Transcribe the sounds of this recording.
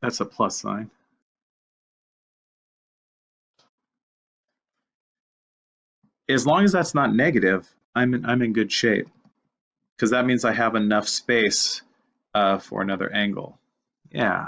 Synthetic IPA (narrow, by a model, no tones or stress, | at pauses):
ðætsəpʰl̥ʌsã̰ɪ̃n | ɨzlɔ̃ŋɨzðætsnətⁿnɛɡɨɾɪv | ãɪ̃mɨ̃nã̰ɪ̃mɨ̃nɡʊd̥ʃeɪp̚ | kʰʌzðət̚mĩnzaɪɨvɨnʌfspeɪs | ʌfə̰˞ɨ̰nʌðə̰˞ʔæ̃ŋɡl̩ˠ | jæ̰